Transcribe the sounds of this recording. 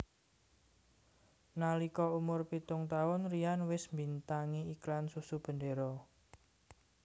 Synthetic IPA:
nalikɔumʊrpit̪ʊŋt̪aʊnrianwɪsmbint̪aŋiiklansusub̥ə̤ndeɾɔ

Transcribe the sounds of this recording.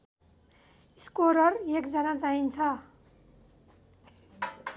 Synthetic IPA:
iskoɾʌrekd͡zʌnat͡saɦint͡sʰʌ

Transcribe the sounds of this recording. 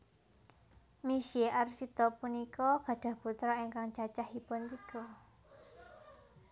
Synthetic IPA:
misieʔarsit̪ɔpunikɔɡ̥a̤ɖ̥a̤put̪ɾɔiŋkaŋt͡ʃat͡ʃahipʊnt̪iɡ̥ɔ

